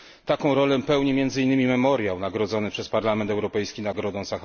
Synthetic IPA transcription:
t̪akɔ̃w̃ɾɔlɛpɛwɲɛmʲjɛnd̪zɘinːɘmʲimɛmɔɾjawnaɡɾɔd̪zɔnɘpʂɛspaɾlamɛnt̪ɛwɾɔpɛjskʲinaɡɾɔd̪ɔ̃w̃sax

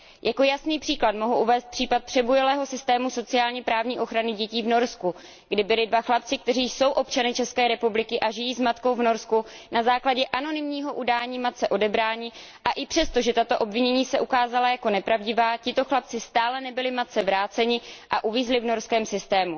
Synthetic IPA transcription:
jʔako̞jasniːpr̥iːklat̪mo̞ɦuʔuvɛːst̪̚pr̥iːpat̪̚pr̥ɛbujɛlɛːɦo̞sɪst̪ɛːmuso̞t͡sɪaːlɲɛpɾaːvɲiːʔo̞xɾanɪɟɛciːvno̞ɾsku | ɡdɪbɪlɪdvaxlap̚t͡sɪk̚t̪ɛriːso̞wʔo̞pt͡ʃanɪt͡ʃɛskɛːɾɛpublɪkɪʔaʒɪjiːzmat̪ko̞wvno̞ɾskunazaːklaɟɛʔano̞nɪmɲiːɦo̞ʔudaːɲiːmat̪̚t͡sɛʔo̞dɛbɾaːɲɪ | ʔaʔɪpr̥ɛst̪o̞ʒɛt̪at̪o̞ʔo̞bvɪɲɛɲiːsɛʔukaːzalajako̞nɛpɾavɟɪvaːcɪt̪o̞xlap̚t͡sɪst̪aːlɛnɛbɪlɪmat̪̚t͡sɛvɾaːtt͡sɛɲɪʔaʔuviːzlɪvno̞ɾskɛːmsɪst̪ɛːmu

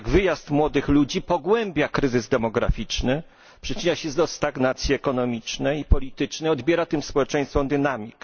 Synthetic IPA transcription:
ɡvɘjast̪mwɔd̪ɘxlud͡ʑipɔɡwɛmbʲjakɾɘzɘzd̪ɛmɔɡɾa̰fʲit͡ʂnɘ | pʂɘt͡ʂɘɲaɕɛzd̪ɔst̪aɡnat̪sʲjiɛkɔnɔmʲit͡ʂnɛjipɔlʲit̪ɘt͡ʂnɛɔd̪bʲjɛɾat̪ɘmspɔwɛt͡ʂɛ̃j̃st̪fɔ̃md̪ɘnamʲik

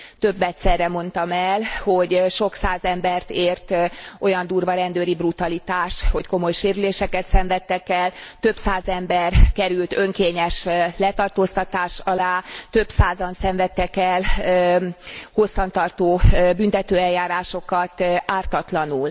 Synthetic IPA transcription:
t̪øbːɛt̪sɛrːɛmo̞n̪t̪ɒmɛlho̞ɟʃo̞ksaːzɛmbɛrt̪eːrt̪ʔo̞jɒnd̪uːrvɒɾɛnd̪øːɾibrut̪ɒlit̪aːʃho̞cko̞mo̞jʃeːɾyleːʃɛkɛt̪sɛɱvɛt̪ːɛkɛlt̪ø̞psaːzɛmbɛrkɛɾylt̪øŋkeːɲɛʃlɛt̪ɒrt̪oːst̪ɒt̪aːʃɒlaːt̪ø̞psaːzɒnsɛɱvɛt̪ːɛkɛlø | ho̞sːɒnt̪ɒrt̪oːbyn̪t̪ɛt̪øːɛljaːɾaːʃo̞kɒt̪aːrt̪ɒt̪lɒnul

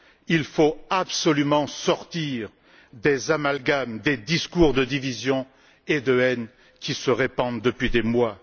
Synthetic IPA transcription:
ilfoabsɔlymɑ̃sɔʁt̪iʁ | d̪ezamalɡamd̪ed̪iskuʁd̪əd̪ivizjɔ̃ | ed̪əɛn | kʲisəʁepɑ̃d̪əpɥid̪emwa

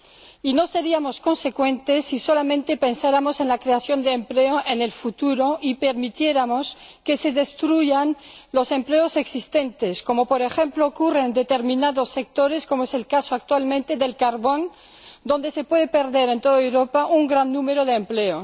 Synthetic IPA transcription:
ino̞se̞ɾiamosko̞nse̞kwe̞nt̪esːisolamẽnt̪epe̞nsaɾamose̞nlakɾeasjo̞nd̪eːmpleoʔenelfut̪uɾo̞ʔipeɾmit̪jeɾamoske̞se̞ðest̪ɾuʝanlo̞se̞mpleose̞ksist̪e̞nt̪esko̞mo̞poɾexe̞mploːkurend̪et̪eɾmĩnaðosːek̚t̪o̞ɾeskomoeselkasoak̚t̪walmẽnt̪e̞ðe̞lkaɾβo̞n | d̪o̞nd̪ese̞pwe̞ðepe̞ɾðeɾe̞nt̪oðaewɾo̞paʔuŋɡɾanːũmeɾoðeːmpleo

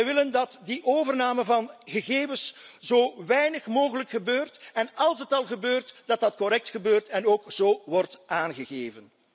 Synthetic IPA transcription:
ɛjʋɪləndɑtdiʔoːvərnaːməvɑnɣəɣeːvəszoːʋɛjnəχmoːɣələkxəbøːrtɛnɑlˠsɦətɑlˠɣəbøːrtd̥ɑt̚dɑtkɔɾɛk̚txəbøːrtɛnoːkz̥oːʋɔrtaːnɣəɣeːvən

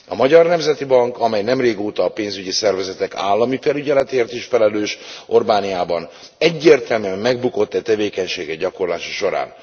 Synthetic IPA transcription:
ɒmɒɟɒrnɛmzɛt̪ibɒŋkɒmɛjnɛmreːɡoːt̪ɒːpeːnzyɟisɛrvɛzɛt̪ɛka̰ːlːɒmifɛlyɟɛlɛt̪eːrt̪iʃfɛlɛløːʃʔo̞rbaːnijaːbɒn | ɛɟːeːrt̪ɛlmyɛmːɛɡbuko̞t̪ːɛt̪ɛveːkɛɲʃeːɡɛɟɒko̞rlaːʃɔ̥ʃo̞ɾa̰ːn

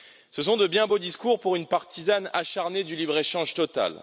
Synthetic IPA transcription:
səs̬ɔ̃d̪əbjɛ̃bod̪iskuʁpuʁynpaʁt̪izana̰ʃaʁned̪ylibʁeʃɑ̃ʒt̪ɔt̪a̰l

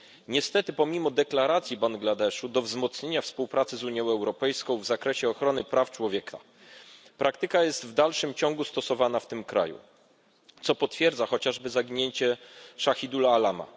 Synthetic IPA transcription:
ɲɛst̪ɛt̪ɘpɔmʲimɔd̪ɛklaɾat̪sʲjibaŋɡlad̪ɛʂud̪ɔvzmɔt̪sɲeɲafspuwpɾat̪sɘzuɲjɔ̃w̃ɛwɾɔpɛjskɔ̃w̃vzakɾɛɕɛɔxɾɔnɘpɾaft͡ʂwɔvʲjɛkʰa̰ | pɾʔakt̪ɘkajɛst̪vd̪alʂɘmt͡ɕɔŋɡust̪ɔsɔvanaft̪ɘmkɾa̰jṵ | t̪sɔpɔt̪fʲjɛɾd̪zaxɔt͡ɕaʐbɘzaɡʲiɲeɲt͡ɕɛʂaxʲid̪ulaːlama̰

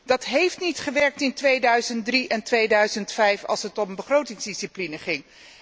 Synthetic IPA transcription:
d̥ɑtɦejftnitχəʋɛɹk̚tɪntʋejdœɥzənt̚driʔɛntʋejdœɥzəntfɛjfɑ̰lˠsətɔmbəχrowtɪŋzdisiplinəχɪŋ

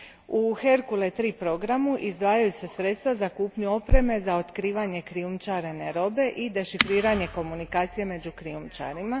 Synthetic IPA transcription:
uxe̞ɾkulet̪ɾiːpɾo̞ɡɾamuʔizd̪ʋaːjajuse̞sɾe̞t̪st̪ʋazakuːpɲuo̞pɾe̞me̞zao̞t̪kɾiːʋaɲe̞kɾiumt͡ʃaɾeneɾo̞be̞ʔid̪e̞ʃifɾiːɾaɲe̞ko̞munikaːt̪sije̞me̞d͡ʑukɾiumt͡ʃa̰ɾima

